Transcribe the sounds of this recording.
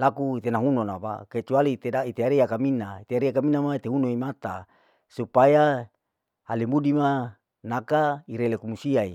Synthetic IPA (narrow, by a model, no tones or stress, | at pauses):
lakuit̪enaŋunonapa̰ket͡ʃualit̪edait̪eaɾeakaminait̪eaɾiakaminamait̪eɦunoimat̪a̰ | supaja | alimudima | nakaiɾelekumusiaḭ